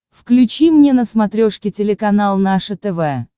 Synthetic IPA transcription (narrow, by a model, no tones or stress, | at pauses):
fklʲʉt͡ɕimnʲenəsmɐt̪ɾʲoʂkʲɪtʲɪlʲɪkɐnalˠnaʂət̪ɛvɛ